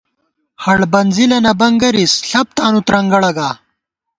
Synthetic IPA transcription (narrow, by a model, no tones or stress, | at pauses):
hɐɽbɐnzilɐnɐbɐŋɡɐɾisɬɐp̚t̪aːnut̪ɾɐŋɡɐɽɐɡaː